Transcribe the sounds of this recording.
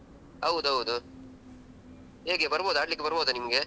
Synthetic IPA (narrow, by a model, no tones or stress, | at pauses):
ɐʋd̪uɐwud̪u | ɦeːɡebɐɾɐboːd̪aːʈlikːebɐɾɐboːd̪ɐnimɐɡe